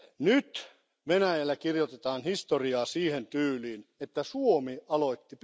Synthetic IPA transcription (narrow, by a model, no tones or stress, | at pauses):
nyt̪ | ʋenæjælːækirjot̪et̪ɑːnhist̪oriɑːsiːhent̪yːliːnet̪ːæsuomiɑloit̪ːip